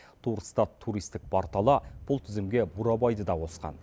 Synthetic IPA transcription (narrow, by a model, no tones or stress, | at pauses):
t̪ʰuɾst̪ɑt̪ʰːuɾijst̪ɪk̚pʰɑɾt̪ɑlˠɑb̥ʊlˠt̪ʰʏzɪmɡʲe̞buɾɑbɑjd̪əd̪ɑwo̞sqɑ̰n